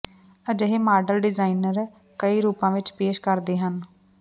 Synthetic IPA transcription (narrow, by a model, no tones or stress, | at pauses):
əd͡ʒəɦeːmaːɖəlɖɪzaːiːnəɾ | kəiːɾuːpãːʋɪt͡ʃpeːʃkəɾd̪eːɦən